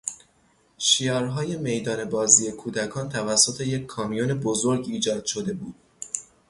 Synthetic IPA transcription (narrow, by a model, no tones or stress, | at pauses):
ʃijɒːɾɦɒːje̞me̞jd̪ɒːne̞bɒːziːe̞kʰuːd̪ækʰɒːnt̪ʰævæsːo̞t̪ʰe̞je̞kʰːɒːmijone̞bozoɾɡiːd͡ʒɒːd̪̥ʃo̞d̪e̞buːd̪̥̚